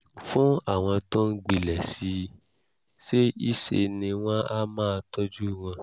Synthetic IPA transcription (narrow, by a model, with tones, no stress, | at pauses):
fũ˦a˦˨w̃ɔ̃˧tõ˦n̩˦ɡ͡bi˨lɛ˨si˧˦ | ʃe˦i˦˨ʃḛ˧nĩ˧w̃ɔ̃˦a˦mãː˦˧tɔ˦d͡ʒu˦w̃ɔ̃˧